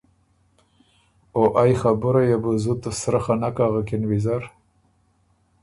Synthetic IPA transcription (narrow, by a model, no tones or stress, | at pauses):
oʔajxabʊɾajabuzut̪əsɾaxanakaɣakɪnwizaɾ